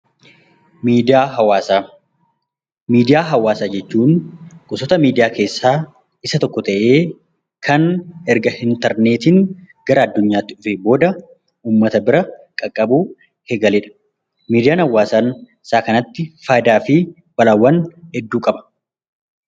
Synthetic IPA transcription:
mːaɐaː | miːd̪ɪjaːɦɐwaːsaːd͡ʒɛt͡ʃːuːnkʼʊsɔt̪ɐmiːd̪ɪjaːke̞ːsːaː | ɪsɐt̪ɔkːɔt̪ɐʔe̞ː | kʰɐnɛɾɡɐɪnt̪ɐɾneːt̪ɪn | ɡ̥ɐɾɐɐd̪ːʊɲːaːt̪ːɪᶑʊfeːbo̞ːd̪ɐ | uːmːɐt̪ɐbɪɾɐkʼɐkʼːɐbuː | heːɡɐlɪᶑɐ̥ | miːd̪ɪjaːnhɐwːaːsɐn | saːkɐnɐt̪ːɪfaːd̪aːfɪ | bɐlawːɐnhɛd̪ːuːkʼɐbɐ̥

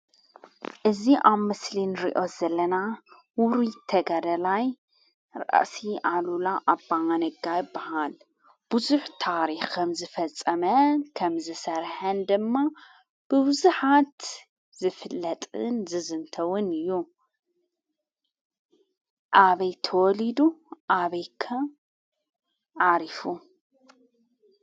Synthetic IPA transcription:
ʔɨziʔaβmɨslinɨɾiʔo̞zɐlɐna | wʊɾit̪ʰɐɡɐd̪ɐlaj | ɾɐ̰ʔsiʔalulaʔabːaanɨɡajɪbːahal | b̥ʊzuħt̪ʰaɾixkʰɐmzɨfɐt͡sʼːɐmɐnkʰɐmzɨsɐɾħɐnd̪ɨmːa | b̥ɨbʊzuħat̪ | z̥ɨfɨlːɐt̪ʼɨ̰nzɨzɨnt̪ʰɐwʊnɨjːu | ʔaβɐjt̪ʰɐwɔlid̪uʔaβɐjkʰɐ | ʕaɾifu

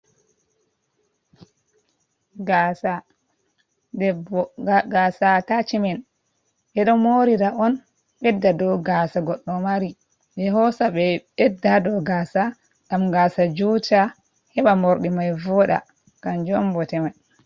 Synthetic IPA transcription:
ɡasa | ɛ | ɡasatat͡ʃimɛn | ɓɛɗɔmoɾiɾaʔɔn | ɓɛdːadɔɡasaɡɔɗːɔmaɾi | dɛɦɔsaɓɛɓɛdːadɔɡaːsa | ɡ̥amɡaːsad͡ʒuta | hɛɓamoɾɗimajvɔɗa̰ | ɡ̥and͡ʒɔmbɔtɛmaj

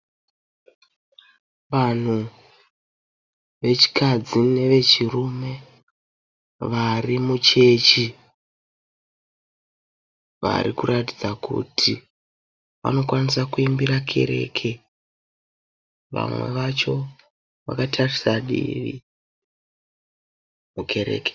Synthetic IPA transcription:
ʋan̤u | ʋe̞t͡ʃi̥kad͡zine̞ʋe̞t͡ʃirume̞ | ʋarimut͡ʃe̞t͡ʃi | ʋa̰ɾikuɾatid͡zakṵtʰi | ʋa̰no̞kwanisakuimbiɾakʰe̞̰ɾe̞̰kʰe | ʋa̰mwe̞̰ʋat͡ʃo̞ | ʋa̰katʰarisaɗḭʋḭ | mukʰe̞ɾḛːke̥

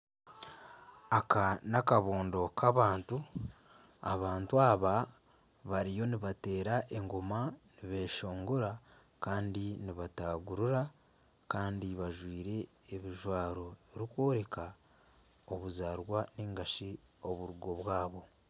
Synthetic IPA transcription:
akanakaβoːndo̞kʰaβaːntu | a̰βaːntuaβa | βaɾijo̞niβate̞ːɾaʔe̞ŋɡomaniβe̞ʃo̞ːŋɡoɾa | kaːndiniβataɡuɾuɾa | kaːndiβaʒwiːɾe̞ːβiʒwaːɾo̞eɾiko̞ɾe̞ka | oβuzaːɾwaneːŋɡaʃi | o̞βuɾuɡo̞βwaːβo̞

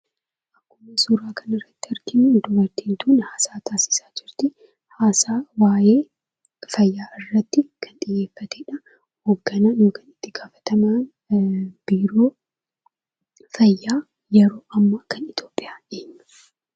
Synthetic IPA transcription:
ʔɐkːʊmɐsuːɾaːkʰɐnɪrːɐt̪ːɪɐɾkɪnund̪ʊbɐɾt̪eːnt̪uːnhaːsaːt̪ʰaːsɪ̥saːd͡ʒɪɾt̪ɪ | haːsaːwaːjeː | fɐjːaːʔɪrːɐt̪ːɪkʰɐnt̪ʼɪjːe̞ːfːɐt̪eːᶑɐ | hoɡːɐnaːnjoːkɐnɪt̪ːɪɡaːfɐ̥t̪ɐma | b̥iːɾo̞ː | fɐjːaː | jɛɾo̞ːʔɐmːakɐnɪt̪jo̞ːpʼːɪjaːeːɲːɐ̥

